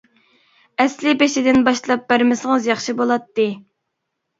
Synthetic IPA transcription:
ɛslɪpeʃɪd̪ɪnbɑʃlˠɑp̚b̥æɾmɪsəŋəzjɑχʃibolˠɑt̪ːɨ

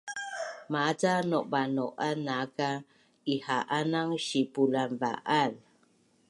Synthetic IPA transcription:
mat͡sanɔʔbanɔʔanaka | ihaʔanaŋʃipulanva̰ʔal

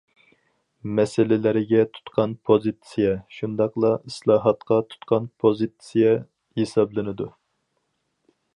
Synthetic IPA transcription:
mɛsɪlɪlɪɾɪɡʲɛt̪ʰu̥t̪qʰɑnpʰozɨt̪sijɛʃund̪ɑqlˠɑislˠɑːɦɑt̪qɑt̪ʰu̥t̪qʰɑnpʰozit̪sijɛ | hesɑblˠɨnɨd̪u

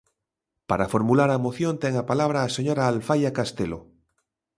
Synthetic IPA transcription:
paɾafoɾmulaɾamoθjont̪eŋapalaβ̞ɾaːseɲoɾaːlfajakast̪elo̰

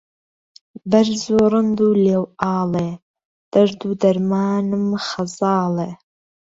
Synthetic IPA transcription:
bɐrzoːɾɨnd̪uːleːwaːle | d̪̥ɐʐd̪uːd̪ɐɾmaːnɨmχɐzɑːle

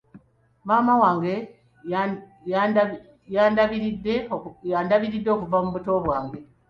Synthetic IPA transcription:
mamawaːŋɡe̞ | jaːndaβiɾidːe̞jaːndaβiɾidːo̞kuvamuβuto̞βwaːŋɡe̞

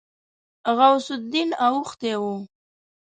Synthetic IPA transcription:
ɣawsʊd̪inawʊxt̪ewu

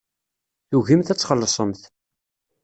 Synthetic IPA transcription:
θuʝimθæt͡sːχəlːsˤəmθ

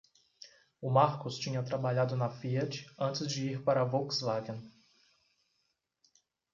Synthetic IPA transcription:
ʊmaɾkʊst͡ʃĩɲɐt̪ɾabaʎad̪ʊnɐfiɛt͡ʃɪ̥ɐ̃nt͡ʃɪzd͡ʒɪiɾpaɾɐvoksvaɡẽn

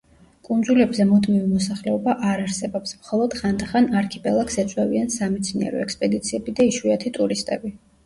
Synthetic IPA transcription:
kʼund̪zulɛbzɛmud̪mivimɔsaχlɛɔbaʔaɾaɾsɛbɔpsmχɔlˠɔd̪̥χand̪aχanaɾkʰipʼɛlˠaksɛt̪sʼwɛviansamɛt̪sʰniɛ̰ɾɔ̰ɛkspʼɛd̪it̪sʰiɛbid̪aiʃwiat̪ʰit̪ʼuɾist̪ʼɛbi

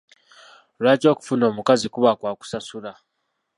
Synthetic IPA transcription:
lwaːco̞ːku̥funo̞ːmukazikuβakwaːku̥sasula

